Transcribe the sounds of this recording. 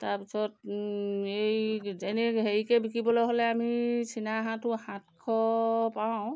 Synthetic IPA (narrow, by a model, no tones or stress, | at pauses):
taɹpisɔt | ejzenɛɦeɹikɛbikibɔlɔjɦolɛamisʰinaɦãtʊhãtkʰɔpaʊ̃